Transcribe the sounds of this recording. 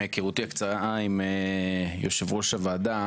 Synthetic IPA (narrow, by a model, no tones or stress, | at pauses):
ekeʁut̪iakt͡saʁaaimejoʃevʁoʃavaːd̪a